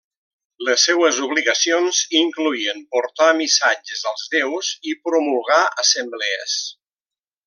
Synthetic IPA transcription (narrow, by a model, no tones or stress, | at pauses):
ləsːɛwəzuβ̞liɣəsionziŋkluiəmpuɾt̪amisad͡ʒəzəlˠzðɛwzipɾumulˠɣaəsəmblɛə̰s